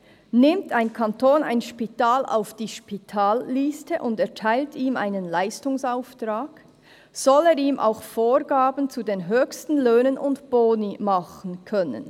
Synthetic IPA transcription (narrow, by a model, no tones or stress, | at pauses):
nɪmtaɪnkʰantʰoːna̰ɪnʃpitaːlʔa̰ʊfd̥iːʃpitʰaːlːistəʔʊndɛɐtʰaɪltʰiːmʔa̰ɪnənlaɪstʊŋsaʊftʁaːɡ̥ | z̥ɔleːɾiːmʔa̰ʊxfoːɹɡaːbn̩t͡sudeːnɦøːçstn̩løːnənʔʊntb̥oːnimɑχn̩kʰœnə̰n